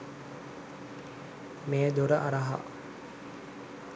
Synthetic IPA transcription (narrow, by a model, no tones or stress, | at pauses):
meːd̪uɾəʔaɾəɦa̰